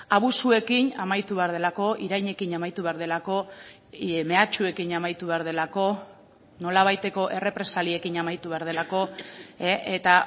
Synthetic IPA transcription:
aβ̞usue̞kinamajt̪uβe̞aɾð̞e̞lako̞ʔiɾajɲe̞kinamajt̪uβe̞aɾð̞e̞lako̞ | me̞at͡ʃue̞kinamajt̪uβ̞e̞aɾðe̞lako̞ | no̞laβ̞ajt̪e̞ko̞ʔe̞re̞pɾe̞salie̞kiɲamajt̪uβe̞aɾð̞e̞lako̞eʔet̪a

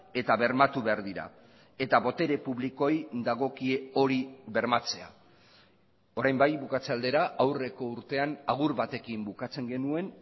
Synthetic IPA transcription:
e̞t̪aβe̞ɾmat̪uβe̞aɾðiɾa̰ | e̞t̪aβo̞t̪e̞ɾe̞puβliko̞jd̪aɣ̞o̞kieo̞ɾiβe̞ɾmat͡se̞a̰ | o̞ɾajmbajβukat͡seald̪e̞ɾaawre̞ko̞uɾt̪e̞anaɣ̞uɾβat̪e̞kimbukat͡se̞ŋɡe̞nue̞n

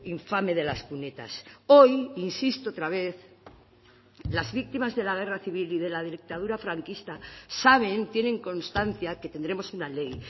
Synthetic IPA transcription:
iɱfame̞ðe̞laskune̞t̪a̰so̞jinsist̪oot̪ɾaβ̞e̞θ | lazβik̚t̪imazðe̞laɣ̞e̞raθiβiliðe̞laðeɾik̚t̪að̞uɾafɾaŋkist̪asaβ̞e̞nt̪je̞nẽ̞ŋko̞nst̪anθjake̞t̪e̞nd̪ɾe̞mo̞sunale̞j

